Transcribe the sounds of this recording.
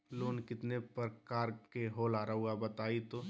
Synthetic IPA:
loːnkɪt̪nepəɾkaːɾkeɦoːlaːɾauɡabɐt̪aːit̪o

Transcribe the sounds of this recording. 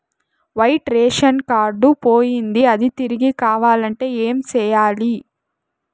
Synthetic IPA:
ʋɐjʈɾeːʂɐnkaːɾɖupoːjind̪iɐd̪it̪iɾiɡikaːʋaːlɐɳʈe̞ːeːmt͡ʃɛːjaːli

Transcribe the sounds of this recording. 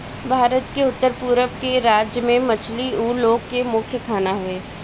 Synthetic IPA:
bʱaːɾət̪keʊt̪ːəɾpuːɾəʋkeɾaːd͡ʒjəmẽmɐt͡ʃʰliuːloːɡkːemʊkʰjəkʰaːnaɦʊeː

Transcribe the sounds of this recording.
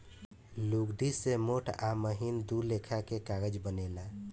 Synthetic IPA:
luɡɖ̪isemoʈʰaməɦind̪uɾlekʰakekaɡəd͡ʒbənela

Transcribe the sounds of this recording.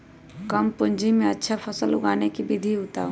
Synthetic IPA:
kɐmpʊ̃ɲd͡ʒimẽɐtːʃʰapʰɐsəlʊ̰ɡaːnekibɪd̪ʱiʊt̪a̰ːũ

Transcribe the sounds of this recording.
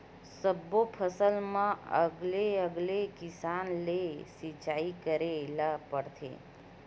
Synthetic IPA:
səbopʰəsəlmãə̰ɡleəɡlekɪsaːnlesit͡ʃaːikəɾelapəɽt̪ʰḛ

